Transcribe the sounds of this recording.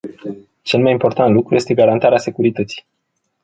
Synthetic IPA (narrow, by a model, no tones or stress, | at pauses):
t͡ʃe̞lmajimpo̞rt̪ant̪lukɾuje̞st̪e̞ɡaɾant̪aɾease̞kuɾit̪ət̪si̥j